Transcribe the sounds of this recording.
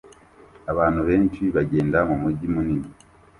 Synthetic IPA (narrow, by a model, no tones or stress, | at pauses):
aβaːnuβe̞ːɲt͡ʃiβaɟe̞ːndamumuɟimunini